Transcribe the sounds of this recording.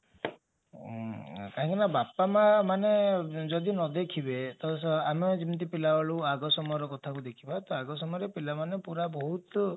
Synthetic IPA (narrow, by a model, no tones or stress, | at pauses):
kaɦĩŋkinabapamamaned͡ʒɔd̪inɔd̪ekʰibet̪ɔsamed͡ʒint̪ipilawaɭuaɡɔsɔmɔjɔɾɔkɔt̪ʰakud̪ekʰibat̪ɔaɡɔsɔmɔjɔɾepilamanepuɾabɔɦut̪